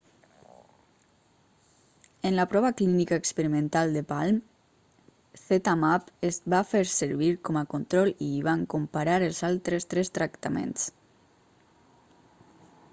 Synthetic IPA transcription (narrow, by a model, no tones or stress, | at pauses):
ənlapɾɔβaklinikaːkspəɾimẽnt̪alˠd̪əpalm | θet̪amapezβafeɾsəɾβiɾkɔmakont̪ɾɔliβaŋkompaɾaɾəlˠzalˠt̪ɾest̪ɾest̪ɾakt̪amḛns